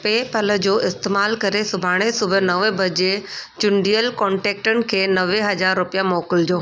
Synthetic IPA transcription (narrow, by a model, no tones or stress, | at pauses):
peːpɐləd͡ʑoːʔɪst̪eːmaːlkɐɾesʊbʱaːɽ̃esʊbʱənɐʋəbʱɐd͡ʑet͡ɕʊɳɖijəlkɔ̃ːɳʈeːk̚ʈənɪ̆kʰeːnɐʋeɦɐd͡ʑaːɾːʊpijamoːkɪld͡ʑoː